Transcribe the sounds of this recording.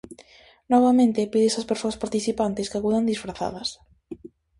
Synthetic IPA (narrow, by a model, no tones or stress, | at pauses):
nɔβ̞amẽnt̪epiðesaspeɾsoaspaɾt̪iθipant̪eskeakuðand̪isfɾaθa̰ðɐs